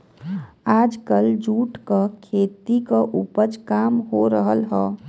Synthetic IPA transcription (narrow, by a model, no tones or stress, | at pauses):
aːd͡ʒkəld͡ʒuːʈkakʰeːt̪ikaʔupəd͡ʒkaːmɦoɾəɦəlɦɛː